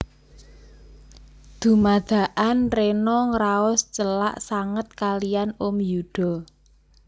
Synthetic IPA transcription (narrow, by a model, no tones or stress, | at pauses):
d̪̥ṳmad̪̥ä̤ʔanrenɔŋɾaɔst͡ʃəla̰ʔsaŋət̪̚kalijanomjuɖ̪̥ɔ̤